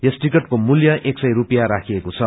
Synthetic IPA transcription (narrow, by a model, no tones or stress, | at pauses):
jʌsʈikʌʈkomuljʌʔeksʌjrupijaɾakʰiekot͡sʰʌ